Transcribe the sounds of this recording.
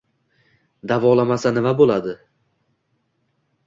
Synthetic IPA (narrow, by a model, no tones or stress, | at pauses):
d̪avɒlˠamasanɪvabolad̪ɪ